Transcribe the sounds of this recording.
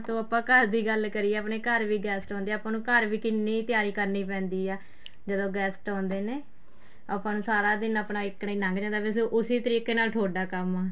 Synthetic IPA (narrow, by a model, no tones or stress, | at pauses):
t̪õːəpãːkəɾd̪iːɡəlkəɾiɛːəpneːkəɾʋiːɡɛːsʈɔ̃ːnd̪eːəpãːnũːkəɾʋiːkɪnːiːt̪ɪjaːɾiːkəɾniːp̬ɛ̃ːnd̪iːɛː | d͡ʒəd̪õːɡɛːsʈɔ̃ːnd̪eːneː | əpãːnũːsaːɾaːd̪ɪnəpnaːɪkniːnãŋɡd͡ʒãːnd̪aːbɪsʔʊsiːt̪əɾiːkeːnaːlʈ̪ʰoːɖaːkəmaː